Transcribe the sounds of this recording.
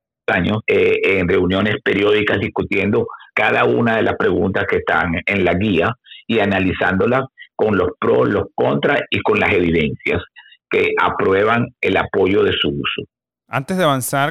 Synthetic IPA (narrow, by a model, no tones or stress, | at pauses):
aɲo̞seeŋre̞unjo̞ne̞spe̞ɾjo̞ðikazðiskut̪je̞nd̪o̞kaðaunaðe̞lʔaspɾe̞ɣunt̪askest̪aŋe̞nlaɣiaianalisand̪o̞lasko̞nlo̞spɾo̞̰lo̞sko̞nt̪ɾaiko̞nlase̞βiðe̞nsja̰ske̞ʔa̰pɾwe̞βaŋe̞̰lapo̞ʝo̞ðe̞suuso̞ | ant̪ezðeaβansaɾ